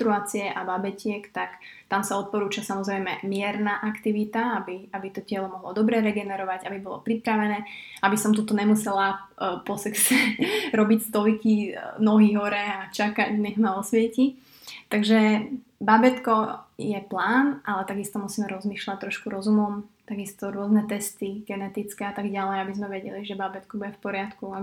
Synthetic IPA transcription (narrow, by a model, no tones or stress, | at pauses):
t̪ɾuaːt͡siɛʔababɛcɪɛkt̪akt̪amsaɔt̪̚pɔɾuːt͡ʃasamɔzɾɛjmɛmɪɛɾnaːʔakt̪iʋit̪aabiabit̪ɔcɪɛlɔmɔɦlɔd̪ɔbɾɛɾɛɡɛnɛɾɔʋaɟabibɔlɔ̰pɾipɾaʋɛnɛː | abisɔmt̪ut̪ɔɲɛmusɛlapɔsɛksɛɾɔbicst̪ɔlkinɔɦiɦɔɾɛat͡ʃakaɟnɛxmaɔsʋɛci | t̪aɡʒɛbabɛt̪kɔjɛplaːnʔalɛt̪aɡist̪ɔmusiːmɛɾɔzmiːʃlac̚t̪ːɾɔʃkuɾɔzumɔmt̪aɡist̪ɔɾʊɔznɛt̪ɛst̪iɡ̥ɛnɛt̪it͡skɛat̪aɡɟalɛjabizmɛʋɛɟɛliʒɛbabɛt̪kubuɟɛfpɔɾɪat̪kua